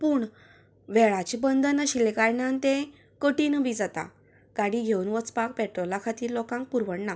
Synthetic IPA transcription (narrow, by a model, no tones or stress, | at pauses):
puːɳ | ʋɛɭat͡ɕibənd̪ənəɕilekaɾɳant̪ẽ | kəʈinəʋid͡zat̪a̰ | kaɽiɡʱewunʋət͡spak̚pɛʈɾɔlakʰat̪iːɾlɔkãŋk̚puɾʋəɳna